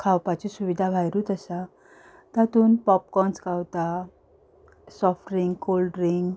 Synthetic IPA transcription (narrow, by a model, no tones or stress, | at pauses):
kʰawpat͡ɕisuʋid̪ʱabʱajɾut̪əsa | t̪at̪uːnpɔp̚kɔnskawt̪a | sɔfɾiŋɡkolɖɾiŋɡ